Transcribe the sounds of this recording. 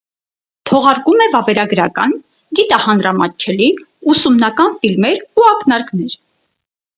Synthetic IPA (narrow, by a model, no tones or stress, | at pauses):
t̪ʰɔʁɑɾkumɛvɑvɛɾɑɡəɾɑkɑ̰n | ɡit̪ɑhɑnɾɑmɑt͡ʃʰɛliusumnɑkɑnfilmɛɾuɑknɑɾknɛɾ